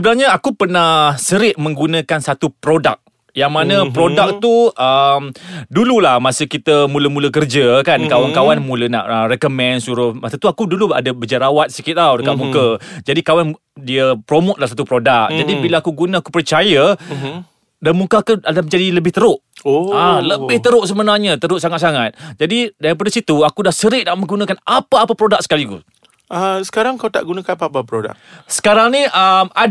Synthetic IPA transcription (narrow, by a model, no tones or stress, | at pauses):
səbənaɲaakupərnahsəɾɪʔ̚mə̃ŋɡunə̃kansat̪upɾoda̰k̚ | jaŋmanə̃pɾodak̚t̪uʔəmdululahmasəkit̪əmuləmũləkərd͡ʒəkankawankawanmũləna̰ʔrɛkomɛ̃nsuɾʊhmastat̪uakudulua̰dəbəd͡ʒaɾawat̪̚sikɪt̪̚awdəkaʔmũkəd͡ʒadikawan | diəpɾomʊt̪̚lasat̪upɾodak̚d͡ʒadibilaakuɡunaakupərt͡ʃaja | danmukakuadaməɲd͡ʒadiləbɪht̪əɾʊʔoaləbɪht̪əɾʊʔsəbənarɲat̪əɾʊʔsaŋat̪saŋat̪̚d͡ʒadidaɾip̬adasit̪uakudahsəɾɪʔnaʔməŋɡunakanapaːpapɾodak̚sə̥kalikṵ | asə̥kaɾaŋkawt̪a̰ʔɡunãkanapaapapɾoda̰k̚sə̥kaɾaŋniʔəma